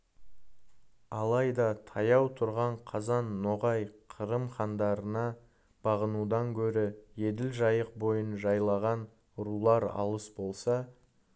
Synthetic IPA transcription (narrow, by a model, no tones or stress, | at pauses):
ɑlˠɑjd̪ɑt̪ʰɑjɑwt̪ʰʊɾʁɑɴqʰɑzɑnːoʁɑjqʰəɾəmχɑnd̪ɑɾənɑ | b̥ɑʁənud̪ɑŋkʲʰɵɾɪje̞d̪ɪlʒɑjəq̚bo̞jənʒɑjlˠɑʁɑn | ɾulˠɑɾɑ̰lˠəsbo̞lˠsɑ